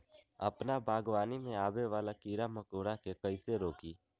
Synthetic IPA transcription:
ə̰pnabʱaːɡʋaːnimẽaːbeʋaːlakiːɾaməkoːɾakʰekəɪseɾoːkiː

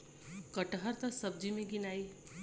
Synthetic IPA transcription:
kəʈɦəɾt̪asəb̚d͡ʒimẽɡinaːi

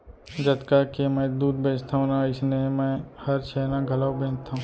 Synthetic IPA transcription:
d͡ʒɐt̪kakemɛ̃d̪uːd̪̚beːd͡ʒt̪ʰaũnaɪsnemɛ̃hɐɾt͡ʃʰɛːlãɡʱɐlawbẽːnt̪ʰːaɦũ

